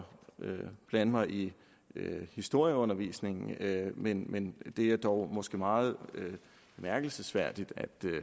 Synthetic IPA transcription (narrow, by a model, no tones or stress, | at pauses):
øb̥lænmɑ̈ɪʔi | øhisd̥o̝ɐ̰jəɔ̽nɐʋḭsne̝ŋn̩menmend̥e̝æɐd̥ɒʊmɒ̽sɡ̥əmɑ̈ːð̞̩ˠø̥ | mæɐɡ̥l̩səsʋæɐ̰d̥id̥æd̥